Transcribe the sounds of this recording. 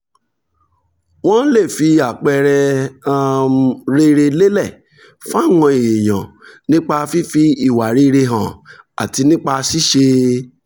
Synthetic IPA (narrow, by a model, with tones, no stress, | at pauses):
w̃ɔ̃˦n̩˦le˦˨fi˧a˨k͡pɛ˧ɾɛ˧a˧ɾe˧ɾe˧le˦lɛ˦˨ | fã˦˨wɔ̃˧i˨je˨j̃ã̰˨nĩ˦k͡pa˧fi˦fi˧i˦˨wa˨ɾi˦˧ɾe˧ɦã˨ | a̰˨ti˧nĩ˦k͡pa˧si˦ʃe˧